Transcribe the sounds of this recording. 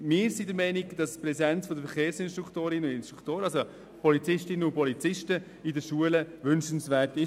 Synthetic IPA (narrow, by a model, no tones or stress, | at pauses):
mɪːɾsidəɾmɛɪniɡd̥ɑspɾɛzɛnt͡sfɔdəɾfəɾχeːɾsɪnsʃtɾukʰtoːɾɪnəʊdɪnstɾukʰtoːɾəɑso | pʰɔlit͡sɪʃtɪnənʊnpɔlit͡sɪʃtə | idəʃuələvʏnʃən̩svɛːɾtɪ